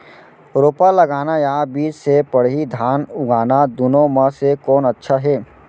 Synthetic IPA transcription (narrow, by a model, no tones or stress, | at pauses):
ɾoːpalɐɡaːnajabiːd͡ʒsepəɽɦid̪ʱaːnʊɡaːnad̪ʊnõməsekɔːnɐtːʃʰaɦɛː